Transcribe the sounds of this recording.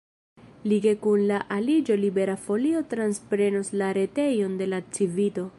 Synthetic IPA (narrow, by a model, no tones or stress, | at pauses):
liɡe̞kunlaʔalid͡ʒo̞libe̞ɾafo̞lio̞tɾanspɾe̞noslaɾe̞te̞jo̞nde̞lat͡sivito̞